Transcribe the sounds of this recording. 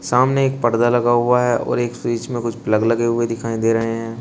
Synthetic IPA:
saːmneeːk̚pɐɾd̪alɐɡaɦʊaɦɛʔɔ̰ːɾeːksiːt͡ʃmẽkʊt͡ʃʰpləɡlɐɡeɦʊed̪ɪkʰaːĩd̪eːɾɐɦeɦɛ̃ː

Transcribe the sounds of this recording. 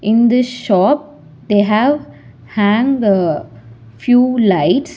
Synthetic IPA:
ʔɪ̃nd̪ɪsʃɔːp̚ | d̪eːɦæʋ | hæ̃ŋɖ | fjuːlaɪʈs

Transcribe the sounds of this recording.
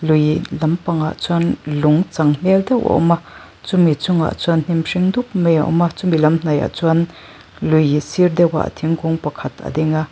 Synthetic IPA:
lujlɐmpɐŋa̰ʔt͡suanlʊŋt͡sɐŋm̥ɛld̪ɛwʔa̰ʔma | t͡sʊmit͡sʊŋa̰ʔt͡suann̥imʂiŋd̪uk̚meja̰ʔɔ̰mat͡sumilɐmn̥ɐja̰ʔt͡suan | lujsird̪ɛwa̰ʔt̪ʰiŋkʰʊŋpɐkʰɐt̪ʰa̰d̪iŋa

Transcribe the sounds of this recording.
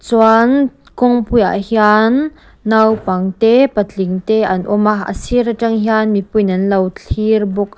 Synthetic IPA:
t͡swan | kɔŋpuja̰ʔhjanː | awpɐŋt̪ɛpət͡ɬiŋt̪ɛʔɐnʔɔmaə̰sirtɐŋɦjanmipujnɐnlɐwt͡ɬʰirbʊk̚

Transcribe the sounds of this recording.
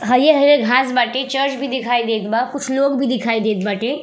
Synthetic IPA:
ɦəjeɦəjeɡʱaːsbaːʈet͡ʃəɾt͡ʃbʱid̪ikʰaːid̪eːt̪bakʊt͡ʃʰloːɡbʱid̪ɪkʰaːid̪eːt̪̚baːʈe

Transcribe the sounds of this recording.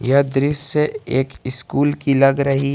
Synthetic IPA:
jɐd̪ɾɪseeːkɪskuːlkilɐɡɾɐɦi

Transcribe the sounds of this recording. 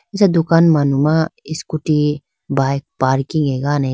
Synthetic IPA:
ɪsad̪ʊkaːnmanumaɪskuʈi | baːjk̚paːɾkĩŋɡeɡaːne

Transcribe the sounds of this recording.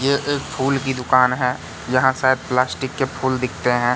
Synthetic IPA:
jeʔeːk̚pʰuːlkid̪ʊkaːnɦɛ | jɐɦãsaːd̪̚plaːsʈɪkːepʰuːld̪ɪkʰt̪eɦɛ̃ː

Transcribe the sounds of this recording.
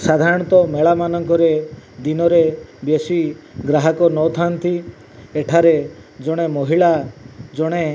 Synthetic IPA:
sad̪ʱaɾɔɽ̃ɔt̪ɔmeɭamanɔŋkɔɾed̪inɔɾebjesiɡɾaɦɔkɔnɔt̪ʰant̪ʰi | eʈʰaɾed͡ʒɔɽ̃emɔɦiɭad͡ʒɔɽ̃e

